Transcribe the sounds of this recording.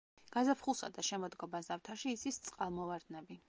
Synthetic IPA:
ɡ̥azapʰχulˠsa̰d̪aʃɛmɔd̪ɡɔbazavt̪ʰaʃiːt̪sʰist̪sʼqʼalˠmɔvaɾd̪nɛbi

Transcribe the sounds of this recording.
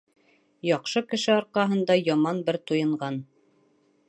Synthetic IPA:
jɑqʃɤkɘ̆ʃɘɒɾqɑɦɤ̆nd̪ɑjɑmɑnbɘɾt̪ujɤ̆ɴʁɑn

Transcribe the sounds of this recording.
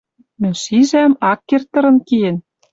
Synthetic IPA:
mɘ̆nʲʃiʒæmɑkːert̪ɤ̆ɾɤ̆nkien

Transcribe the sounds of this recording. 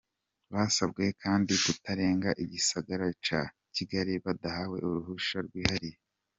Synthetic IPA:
βaːsabɡe̞kʰaːndikutaɾe̞ːŋɡaʔiɟisaɡaɾat͡ʃa | ciɡaɾiβadahawe̞̰ʔuɾuhuʃaɾɡwiːhaɾije

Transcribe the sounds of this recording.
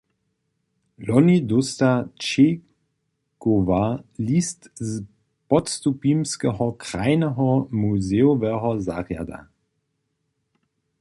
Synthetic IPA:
lɔnidʊst̪at͡ʃe | kovalistz | pɔtstupimskəɦɔkʁ̥aɪnəɦɔmuzeʊvɛɦɔza̰ʁja̰da̰

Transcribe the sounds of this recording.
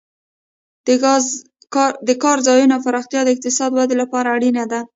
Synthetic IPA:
d̪əkɑɾzɑjunafaɾɑxt̪jɑd̪əɪq̚t̪ɪsɑd̪wad̪elapɑɾaːɽinad̪a

